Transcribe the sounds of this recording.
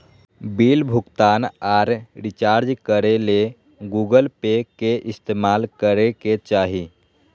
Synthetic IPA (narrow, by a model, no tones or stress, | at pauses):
biːlbʱʊkt̪aːnaːɾɖɪt͡ʃaːɾd͡ʒkəɾele | ɡuːɡəlpekeʔɪst̪eːmalkəɾeket͡ʃaːɦi